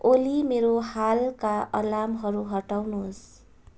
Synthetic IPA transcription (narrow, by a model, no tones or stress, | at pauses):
olimeɾoɦalkaʔʌ̰lamɦʌɾuɦʌʈawnuɦos